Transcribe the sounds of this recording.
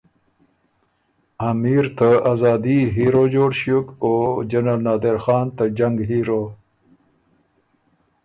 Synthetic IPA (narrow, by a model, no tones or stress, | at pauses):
amiːɾt̪ʰaazɑːd̪iɦiɾod͡ʑoːɽɕjukod͡ʒɐnalnɑːd̪eɾxɑːnt̪ad͡ʑaŋɡɦiːɾo